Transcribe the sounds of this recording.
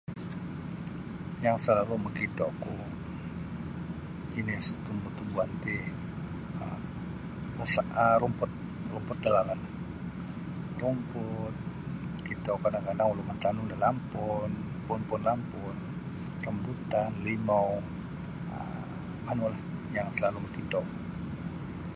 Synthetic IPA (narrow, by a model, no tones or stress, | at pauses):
jaŋsəlaluməkit̪ɔku | inɪst̪umbʊt̪ːubuant̪i | saəɾumpʊt̪̚ | rumpʊt̪̚dalalan | rumpʊt̪̚məkit̪ɔkadaŋkadaŋulomant̪anʊŋdalampʊn | pʊnpʊnlampʊn | rəmbut̪anlimɔw | ə | manulahjaŋsəlaluməkit̪ɔu